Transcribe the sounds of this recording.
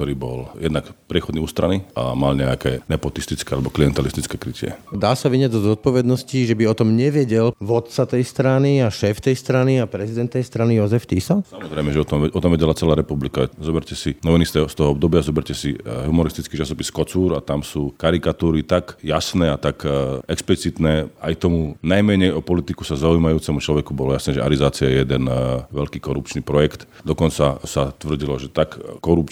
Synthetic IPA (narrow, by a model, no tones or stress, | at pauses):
kt̪ɔɾiːbɔljɛ̰d̪nakpɾɪɛxɔd̪niːuːst̪ɾaniʔa̰malɲɛakɛ̰ːnɛpɔt̪ist̪it͡skɛːalɛbɔklijɛnt̪ɛlist̪i̥t͡skɛːkɾicɪɛ̰d̪aːsaʋiɲɪɛd͡zzɔzɔt̪̚pɔʋɛd̪nɔsciʒɛbiɔt̪ɔmɲɛʋɛɟɛlʋɔt̪̚t͡sat̪ɛjst̪ɾaniaʃɛːft̪ɛjst̪ɾaniapɾɛzid̪ɛnt̪nɛjst̪ɾanijɔzɛft̪isasamɔzɾɛjmɛʒɛɔt̪ɔmʔɔt̪ɔmʋɛɟɛlat͡sɛlaːɾɛpublikazɔbɛɾcɛsinɔʋɛnist̪ɛst̪ɔɦɔɔb̚d̪ɔbɪazɔbɛɾcɛsiɦumɔɾist̪it͡skiːt͡ʃasɔpiskɔt͡suːɾat̪amsuːkaɾikat̪uːɾit̪akjasnɛːat̪akɛksplit͡sit̪nɛːajt̪ɔmunajmɛɲɛjɔpɔlit̪iku̥sazaujiːmajuːt͡sɛmut͡ʃlɔʋɛkubɔlɔjasnɛːʒɛʔaɾizaːt͡siajɛjɛd̪ɛnʋɛʎkiːkɔɾupt͡ʃniːpɾɔjɛkt̪d̪ɔkɔnt͡sasat̪ʋr̩ɟilɔʒɛt̪akːɔɾupt͡ʃ